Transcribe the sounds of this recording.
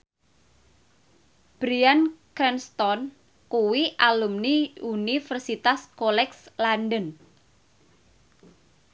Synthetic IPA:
b̥ɾiankɾɛnst̪ɔn | kuwiʔalumniunifərsit̪askolɛkslanɖən

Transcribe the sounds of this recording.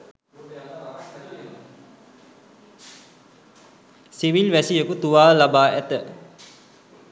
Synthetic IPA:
siʋilʋæsijəkut̪uʋaːlabaːʔæt̪ə

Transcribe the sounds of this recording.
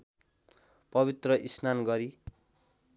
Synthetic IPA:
pʌβit̪rʌʔisnanɡʌɾi

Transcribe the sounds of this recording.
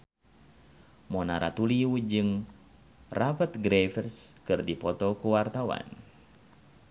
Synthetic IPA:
mɔnaɾʔa̰t̪uliud͡ʒɨŋ | rabət̪̚ɡɾefɛrskɨrdipɔt̪ɔkuwart̪awa̰n

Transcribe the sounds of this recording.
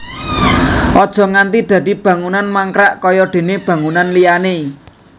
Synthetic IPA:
ɔd̥ʒ̥ɔ̤ŋant̪id̪̥ä̤d̪̥i̤b̥ä̤ŋunanmaŋkɾaʔkɔjɔɖ̪̥e̤neb̥ä̤ŋunanlijane

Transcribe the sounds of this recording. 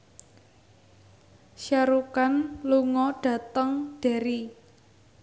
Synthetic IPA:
ʃaɾukanluŋɔɖ̥ä̤t̪əŋɖ̥e̤ɾi

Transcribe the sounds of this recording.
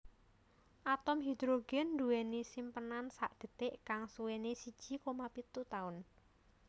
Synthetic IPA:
ʔat̪ɔmɦid̪ɾoɡ̥ɛnːd̪ṳwɛnisimpənansaʔd̪̥ə̤t̪ɪʔkaŋsuwenesi̥ʒ̥i̤komapit̪ut̪aʊn

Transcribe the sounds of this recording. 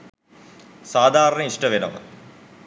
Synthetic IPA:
saːd̪ʱaːɾɐɳɐiʂʈɐʋinɐ̰ʋɐ̰

